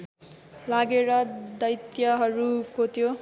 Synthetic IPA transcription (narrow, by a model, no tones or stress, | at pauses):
laɡeɾʌd̪ʌjt̪jʌɦʌɾukot̪ʰijo